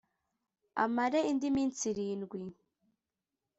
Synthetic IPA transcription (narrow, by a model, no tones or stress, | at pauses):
a̰maɾeindimiːnt͡siɾiːnɡwi